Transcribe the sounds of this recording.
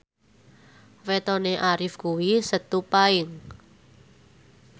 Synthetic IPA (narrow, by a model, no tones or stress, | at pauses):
wet̪ɔneʔaɾɪfkuwisət̪upaɪŋ